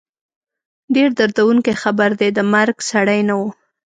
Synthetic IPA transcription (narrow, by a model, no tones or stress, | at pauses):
ɖeɾd̪aɾd̪awuŋkexabaɾd̪ed̪əmaɾɡsaɽajnawu